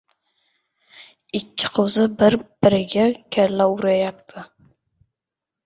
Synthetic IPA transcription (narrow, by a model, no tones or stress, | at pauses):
ɪkʲʰːɪ̥qʰowzɨbɪɾb̥ɪɾɪɡʲakʲʰælːauɾajap̚t̪ʰɪ